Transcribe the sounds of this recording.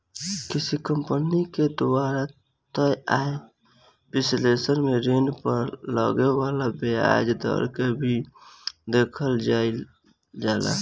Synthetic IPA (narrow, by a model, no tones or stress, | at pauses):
kɪsikəmpəniked̪ʊaːɾa | t̪əaːe | pɪslesəɾmeɾenpəɾlə̰ɡewaːlabea̰d͡ʒd̪ə̰ɾkebʱi | d̪eːkʰəld͡ʒa | d͡ʒaːla̰